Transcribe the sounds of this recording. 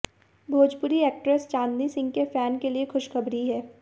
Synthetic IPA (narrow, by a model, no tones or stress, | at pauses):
bʱoːd͡ʒpʊɾiɛːk̚ʈɾest͡ʃãːnd̪isɪ̃ŋɡkefɛːnkeliexʊʃxɐbɾiɦɛː